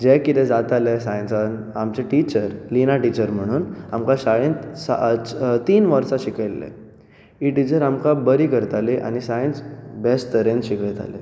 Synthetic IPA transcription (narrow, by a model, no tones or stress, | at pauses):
d͡ʑɛkit̪ɛ̃d͡zat̪alesajnt͡sanamt͡ɕeʈit͡ɕəɾlinaʈit͡ɕəɾm̤əɽ̃uːnamkãɕaɭẽnsat̪iːnʋəɾsaɕikəlːḛ | iʈit͡ɕəɾamkabəɾikəɾt̪aleʔa̰ñisaj̃nt͡sbest̪əɾẽnɕiket̪a̰lḛ